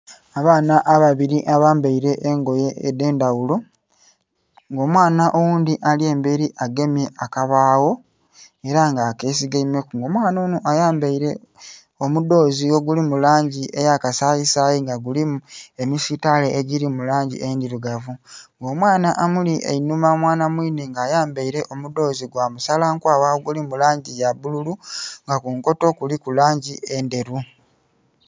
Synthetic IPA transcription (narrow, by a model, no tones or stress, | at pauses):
aβaːnaʔːβaβiɾiʔaβaːmbaiɾe̞ʔːŋɡo̞je̞ede̞ːndawulo̞ | ŋɡo̞ːmwaːnaʔowuːnd̪iʔalie̞ːmbeɾiʔaɡe̞mje̞ʔakaβaːwo̞ | e̞ɾaŋɡaːkes̬iɡaimekuŋɡo̞ːmwaːnonoʔajaːmbaiɾe̞ | omudo̞ːzio̞ɡulimulaːɲɟie̞jakasajisajiŋɡaɡulimemisitaleʔeɟiɾimulaːɲɟḭʔendiɾuɡavuŋɡo̞ːmwaːnaʔːmuliʔḛinumamwaːnamwiːneŋɡaːjaːmbeiɾe̞ʔo̞mudo̞ːziɡwaːmusalaŋkwaːwaoɡulimulaːɲɟijaβululuŋɡakuŋko̞to̞kulikulaːɲɟie̞nde̞ɾu